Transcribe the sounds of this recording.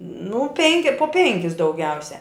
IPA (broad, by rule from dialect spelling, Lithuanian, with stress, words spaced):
nʊ ˈpʲɛŋʲkʲɪ poː ˈpʲɛŋʲkʲɪs dɐʊˈɡʲɛʊsʲɛ